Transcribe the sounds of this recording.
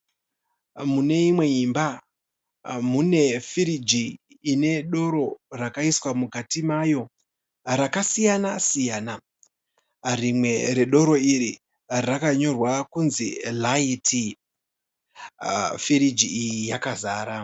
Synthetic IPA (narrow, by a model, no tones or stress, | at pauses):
mune̞imwe̞imba | mune̞fiɾid͡ʒiː | ne̞ɗo̞ɾo̞rakaiswamuɡʱatimajo̞ | rakasijanasijaːna | rimwe̞ɾe̞ɗo̞ɾo̞iɾi | rakaɲo̞rwakunzilaitʰi | fiɾid͡ʒiijijakazaːɾa